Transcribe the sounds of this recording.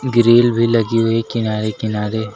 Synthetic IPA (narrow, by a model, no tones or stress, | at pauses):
ɡɪɾeːlbʱilɐɡiɦʊekɪnaːɾekɪnaːɾeː